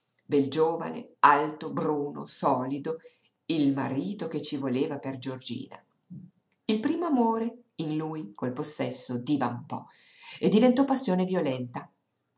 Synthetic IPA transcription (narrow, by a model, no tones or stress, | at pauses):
beld͡ʒoːva̰nḛalt̪obruːno̰sɔːlid̪o | ilma̰ɾiːt̪ok̟et͡ʃːivoleːvaperd͡ʒord͡ʒḭːna̰ | ilpɾiːmoamoːɾe | inluːjkolposːɛsːod̪ivaumpɔ̰ | ed̪ːivent̪ɔpːasːjoːnevjolɛnt̪a